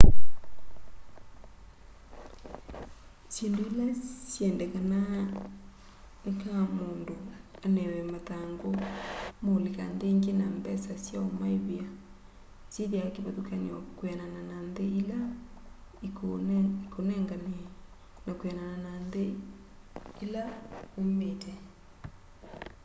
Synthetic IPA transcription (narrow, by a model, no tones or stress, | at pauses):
siːndoilasjɛndɛkana | nekamoːndoanɛwɛmataŋɡomolikandeŋɡenambɛsasjaomaiβia | siðjakeβatukaniwakwɛnanananðeila | ikikonɛŋɡane | nakwɛnanananðe | ilaometʰɛ